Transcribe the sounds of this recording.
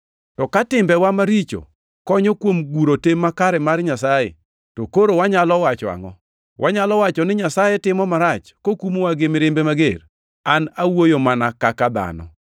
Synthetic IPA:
tɔkatɪmbɛwamaɾit͡ʃo̰ | kɔɲɔkwomɡuɾotemːakaɾɛmarɲasajɛ̰ | tokoɾowaɲalɔwat͡ʃɔa̰ŋɔ̰ | wʔaɲalɔwat͡ʃɔnɪɲasajɛtɪmɔmaɾat͡ʃkokumowaɡɪmɪɾɪmbemaɡer | anawojomanakakad̪a̰nɔ̰

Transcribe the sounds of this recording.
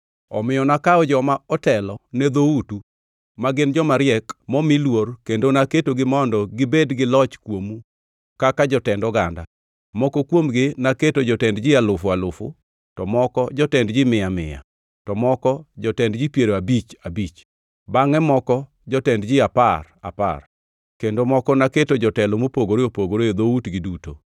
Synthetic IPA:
ɔ̰mɪjɔnakaɔd͡ʒɔmaɔtɛlɔnɛd̪outu | maɡɪnd͡ʒɔmaɾjɛkmɔmilworkendonaketoɡɪmɔndɔɡɪbedɡɪlɔt͡ʃkwomu | kakad͡ʒɔtɛndɔɡanda̰ | mɔkɔkwomɡɪnaketod͡ʒɔtɛndd͡ʒɪalʊfʊalʊfʊ | tɔmɔkɔd͡ʒɔtɛndd͡ʒɪmɪamɪ̰ja̰ | tɔmɔkɔd͡ʒɔtɛndd͡ʒɪpjeɾoabit͡ʃabit͡ʃ | baŋɛmɔkɔ | d͡ʒɔtɛndd͡ʒɪapara̰pa̰r | kendomɔkɔnaketod͡ʒɔtɛlomopoɡoɾeopoɡoɾejod̪outɡɪduto̰

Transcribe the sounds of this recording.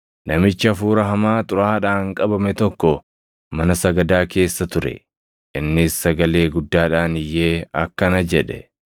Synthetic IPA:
nɐmɪt͡ʃːɪɐfuːɾɐɦɐmaːt̪ʼʊɾaːᶑaːŋkʼɐbɐmɛt̪ɔkːɔ | mɐnɐsɐɡɐd̪aːke̞ːsːɐt̪ʊɾɛ̰ | ʔɪnːɪsːɐɡɐle̞ːɡʊd̪ːaːᶑaːnɪjːe̞ːɐkːɐnɐd͡ʒɛᶑɛ̰

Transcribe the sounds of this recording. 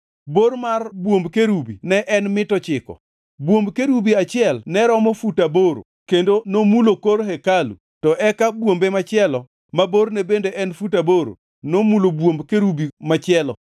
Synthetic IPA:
boɾmarbwombkeɾubinɛʔɛnmɪtɔt͡ʃɪkɔ̰ | bwombkeɾubiat͡ʃɪɛlnɛɾɔmɔfutaboɾo̰ | kendonomulokoɾɦɛkalṵ | tɔʔɛkabwombemat͡ʃɪɛlɔ | maboɾnɛbendeʔɛnfutaboɾo̰ | nomulobwombkeɾubimat͡ʃɪɛlɔ

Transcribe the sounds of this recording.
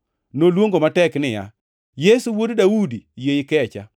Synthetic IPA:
nolwoŋɡomatɛknɪja̰ | jesuwoddawudijejɪkɛt͡ʃa̰

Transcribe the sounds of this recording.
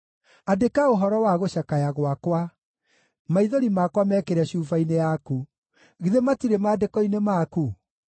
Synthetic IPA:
adekaoɦɔɾɔwaɣoɕakajaɣwakwa | maiðoɾimakwamɛkeɾɛɕuːfainejaku | ɣiðematiɾemaːdekɔinemaːku

